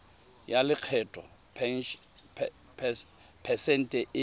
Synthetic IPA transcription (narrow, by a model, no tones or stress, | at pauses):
jalɪq͡χʰɛtʰʼɔ̰pʰ | pʰ | pʰɛsɛn̩tʼɛʔɪ